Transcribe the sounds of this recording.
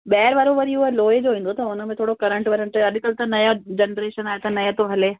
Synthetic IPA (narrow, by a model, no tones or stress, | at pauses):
ɓɛːɪɾʋɐɾoʋɐɾiʊɦeloːed͡ʑoːʋĩːn̆d̪ot̪ɐʊnəmẽt̪ʰoːɽokɐɾə̃ɳʈʋɐɾəɳʈɐd̪ɪkəlt̪ɐnɐjad͡ʑɐnɾeːʃənaːet̪ɐnɐjat̪oɦɐleː